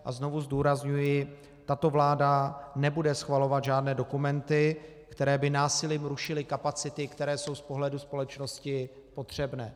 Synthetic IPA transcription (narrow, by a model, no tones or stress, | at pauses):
ʔa̰zno̞vuzduːɾazɲujɪ | t̪at̪o̞vlaːdanɛbudɛsxvalo̞vad̪ʒaːdnɛːdo̞kumɛnt̪ɪ | kt̪ɛɾɛːbɪnaːsɪliːmɾuʃɪlɪkapat͡sɪt̪ɪkt̪ɛɾɛːso̞wspo̞ɦlɛduspo̞lɛt͡ʃno̞scɪ | po̞t̪r̝̥ɛbnɛː